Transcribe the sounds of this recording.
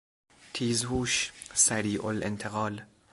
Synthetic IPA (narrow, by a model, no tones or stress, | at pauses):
t̪ʰiːzhuːʃsæɾiːʔolʔent̪ʰeɣɒːl